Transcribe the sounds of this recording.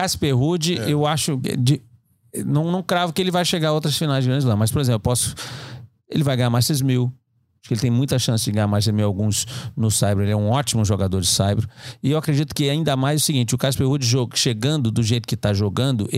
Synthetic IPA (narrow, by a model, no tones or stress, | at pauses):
kaspeɦud͡ʒɪewaʃʊɛ̰d͡ʒɪ | nɐ̃w̃nɐ̃w̃kɾavʊkɪelɪvajʃeɡaɾɐowt̪ɾɐsfinajzɡɾɐ̃d͡ʒlɐ̃mɐspoɾezẽpllʊpɔsʊ̥ | elɪvajɡɐ̃jamajsezmiw | pɾkɪelɪt̪ẽj̃mũj̃t̪ɐʃɐ̃sɪd͡ʒɪɡɐ̃amajsezmiwawɡũsnʊsajbɾʊelɪɛũɔt͡ʃimʊʒoɡad̪oɾd͡ʒɪsajbɾʊɪewakɾed͡ʒit̪ʊ̥kɪaĩnd̪ɐmajzʊsiɡĩnt͡ʃɪʊkaspehud͡ʒɪʒoʃeɡɐ̃nd̪ʊd̪ʊʒejt̪ʊ̥kɪt̪aʒoɡɐ̃nd̪ʊʔ